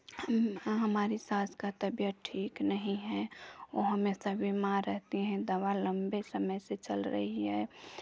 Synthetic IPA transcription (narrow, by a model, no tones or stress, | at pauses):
həmɦəmaːɾisaːt̪ʰkat̪əbjəʈʰiːknəɦĩɦɛ̃oɦəmesabʱimaɾəɦt̪iɦɛ̃d̪əwaləmbesəməjset͡ʃəlɾə̰ɦiɦɛː